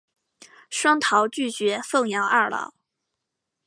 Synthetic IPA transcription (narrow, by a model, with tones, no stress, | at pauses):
ʂwɑ˥ŋt̪ʰɑ˧˥ʊt͡ɕy˥˩t͡ɕɥɛ˧˥fɤ˥˩ŋjɑ˧˥ʊa˥˩lɑ̰˧˥˦ʊ